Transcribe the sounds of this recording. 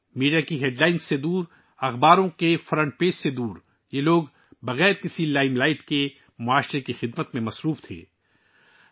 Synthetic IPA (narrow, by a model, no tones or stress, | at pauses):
miːɖijakiɦeːɖlaːɪnsːed̪uːɾ | ɐxbaːɾõkefɐɾə̃ɳʈ̚peːssed̪uːɾ | jeloːɡ | bɐɣɛːɾkɪsilaːɪmlaːɪʈke | mʊaːʃɾekixɪd̪mət̪mẽmɐsɾuːft̪ʰḛː